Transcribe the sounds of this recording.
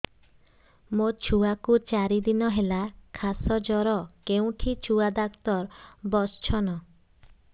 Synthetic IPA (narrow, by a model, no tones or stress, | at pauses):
mot͡ʃʰuakut͡ʃaɾid̪inɔɦelakʰasɔd͡ʒɔɾɔkeũʈʰit͡ʃʰuad̪akt̪ɔɾbɔst͡ʃʰɔnɔ